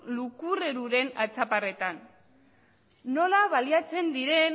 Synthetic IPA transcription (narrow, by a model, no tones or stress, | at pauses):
lukure̞ɾuɾe̞na̰t͡sapare̞t̪an | o̞laβaliat͡se̞nd̪iɾe̞n